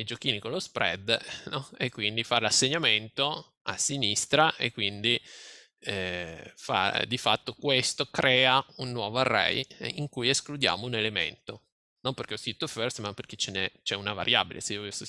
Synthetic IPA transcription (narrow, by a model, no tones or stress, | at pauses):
jd͡ʒokiːnikolospɾɛ̰d̪nɔekːwind̪ifalasːeɲːament̪o | a̰sːinist̪ɾaʔekːwind̪i | ɛfa̰d̪ifat̪ːokwest̪okɾɛːaunːwɔːvoarːɛ̰jiŋkujesklud̪ja̰ːmounelemḛnt̪o | nomperɾk̟eɔskɾit̪ːoføɾsmapːerk̟et͡ʃenɛt͡ʃɛunava̰ɾja̰ːbilḛseiːovis